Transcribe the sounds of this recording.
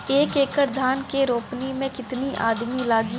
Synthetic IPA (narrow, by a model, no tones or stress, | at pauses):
eːkeːkəɾd̪ʱaːnkeɾoːpnimẽkɪt̪niʔa̰ːd̪milaːɡi